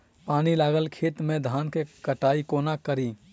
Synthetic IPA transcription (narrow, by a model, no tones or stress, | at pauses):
paːnilaːɡəlkʰeːt̪mẽd̪ʱaːnkekəʈaːikoːnakəɾiː